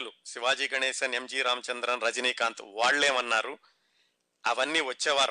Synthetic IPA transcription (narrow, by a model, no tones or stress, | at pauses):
lusiʋaːd͡ʒiːɡɐɳeːsɐnemd͡ʒiːɾaːmɐt͡ʃɐnd̪ɾɐnɾɐd͡ʒɐniːkaːnt̪ṵʋaːɭːeːmɐnːaːɾu | ɐʋɐnːiːʋɐt͡ʃːeːʋaːɾ